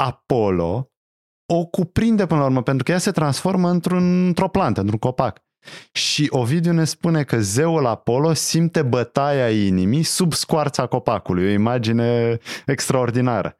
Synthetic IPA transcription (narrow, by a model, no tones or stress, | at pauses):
apo̞lo̞̰ | o̞kupɾind̪e̞pɨnəlauɾməpe̞nt̪ɾukəjase̞t̪ɾansfo̞rməɨnt̪ɾunnt̪ɾo̞plant̪əɨnt̪ɾuŋko̞pak | ʃiʔo̞vid̪eone̞spune̞kəze̞ulapo̞lo̞simt̪e̞bət̪ajainimisubskwart̪sako̞pakulujo̞imad͡ʒine̞ekst̪ɾao̞rd̪inaɾə̰